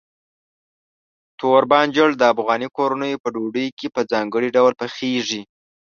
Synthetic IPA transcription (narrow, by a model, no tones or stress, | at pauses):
t̪oɾbɑnd͡ʒəɽd̪əafɣɑnikoɾanəjpəɖoɖəjkepəd͡zɑŋɡəɽiɖawlpəxeʐi